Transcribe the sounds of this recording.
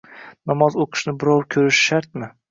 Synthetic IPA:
nɒmɒzoqʰɨ̥ʃnɪbɪɾɒwɾkʲʰɵɾɪʃʃaɾt̪̚mɪ

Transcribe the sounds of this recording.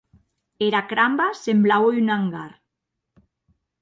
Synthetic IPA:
eɾakɾambasemblawynaŋɡaɾ

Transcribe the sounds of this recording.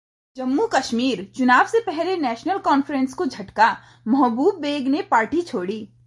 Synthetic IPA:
d͡ʒɐmːukɐʃmiːɾt͡ʃʊnaːbsepɛɦlenɛːʃnəlkɔːnfɾẽnskod͡ʒʱɐʈka | mɐɦbuːbːeːɡnepaːɾʈit͡ʃʰoːɽiː

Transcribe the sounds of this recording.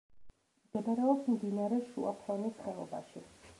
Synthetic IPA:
mɡ̥ɛɡ̪aɾɛɔbsmd̪inaɾɛʃṵa̰pʰɔnisχɛlˠɔba̰ʃi

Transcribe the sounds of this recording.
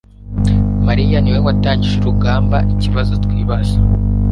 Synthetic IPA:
maɾijaniweŋɡwataːɲɟiʒiɾuɡaːmbaʔiciβazo̞tkwiːβasa

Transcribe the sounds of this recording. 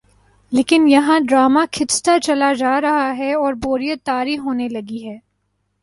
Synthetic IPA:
leːkɪnjɐɦãɖɾaːmakʰɪst̪at͡ʃɐlad͡ʒaːɾɐɦaɦɛɔːɾboːɾijət̪aːɾiɦoːnelɐɡiɦɛː

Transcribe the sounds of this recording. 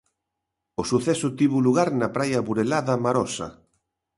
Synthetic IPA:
osuθɛsʊt̪iβuluɣaɾnapɾajaβuɾelaðamaɾɔsɐ̰

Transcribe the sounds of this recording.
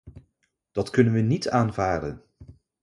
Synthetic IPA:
d̥ɑtkɵnənʋənitaːnvaːdə̰n

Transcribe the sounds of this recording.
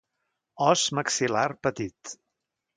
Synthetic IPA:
ɔzməksilarpət̪it̪

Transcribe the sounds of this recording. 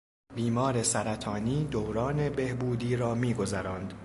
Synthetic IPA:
biːmɒːɾe̞sæɾæt̪ʰɒːniːd̪owɾɒːne̞be̞hbuːd̪iːɾɒːmiːɡo̞zæɾɒːnd̪

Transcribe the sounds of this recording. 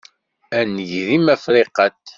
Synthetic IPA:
ænəʝðimæfɾiqət̪

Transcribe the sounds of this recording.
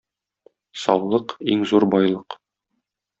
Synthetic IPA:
sɒ̰wlˠɤqiŋzuɾbɒjlˠɤq

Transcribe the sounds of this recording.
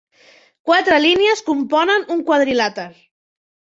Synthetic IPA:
kwat̪ɾəliniəskumpɔnənuŋkwað̞ɾilat̪aɾ

